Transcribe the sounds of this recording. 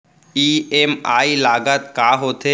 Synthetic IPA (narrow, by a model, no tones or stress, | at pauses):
iːemaːilaːɡət̪kaːɦoːt̪ʰe